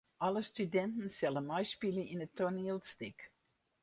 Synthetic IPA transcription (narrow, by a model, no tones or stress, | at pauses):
ʔɑlˠəstʉdɛ̃ntn̩sɛlˠəmaɪʃpiliɪ̃nətʰɔnilˠstɪk